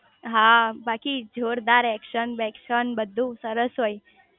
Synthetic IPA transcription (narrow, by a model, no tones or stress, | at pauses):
ɦabakid͡ʒʱoɾd̪aɾɛkʃənbɛkʃənbəd̪ʱːũsəɾəsɦoj